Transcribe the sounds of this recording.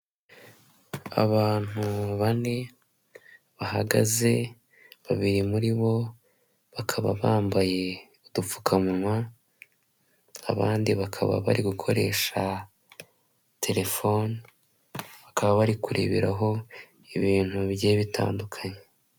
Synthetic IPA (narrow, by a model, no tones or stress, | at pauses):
a̰βaːn̥uβane | βaɦaɡaze̞ | βaβiɾimuɾiβo̞ | βakʰaβa̰βaːmbaje̞ | udup͡fu̥kʰamuŋwa | a̰βaːndiβakʰa̰βa̰βa̰ɾiɡukʰo̞ɾe̞ːʃa | tʰe̞ɾe̞fo̞n | βakʰaβaβaɾikuɾḛβḛɾaɦo̞ | iβiːn̥huβjeːβitʰa̰ːndukʰaɲe